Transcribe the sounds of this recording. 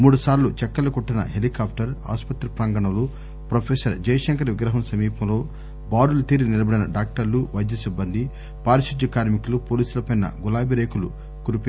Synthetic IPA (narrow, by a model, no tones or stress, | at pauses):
muːɽusaːɾlut͡ʃɛkːɐlɐkuʈːinɐ̰ɦelikaːpʰʈɐɾa̰ːspɐt̪ɾɐpɾaːŋɡɐɳɐmlu | pɾopʰeːsɐɾd͡ʒɐjɐʃɐŋkɐɾʋiɡɾɐɦɐmsɐmiːpɐmlo̞ː | baːɾulɐt̪iːɾinilɐbɐɽinɐɖaːk̚ʈɐɾluʋɐjd̪jɐsibːɐnd̪ʱi | paːɾisid̪jɐkaːɾmikulupoːliːsulɐpɐjnɐ̰ɡulaːbiɾeːkulṵ | kuɾupi